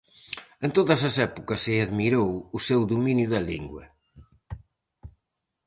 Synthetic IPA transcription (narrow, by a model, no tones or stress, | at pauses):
ẽnt̪oðɐsɐsɛpukɐsɪɐðmiɾowusewðuminjuðɐlḭŋɡwɐ̰